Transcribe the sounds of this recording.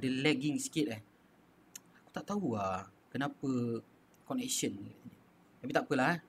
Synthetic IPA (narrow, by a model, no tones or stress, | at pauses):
adəlɛɡɪŋsi̥kit̪̚ah | aku̥t̪aʔt̪aua | kənapə | kɔnɛksənəaɲə | t̪apit̪aʔpəlah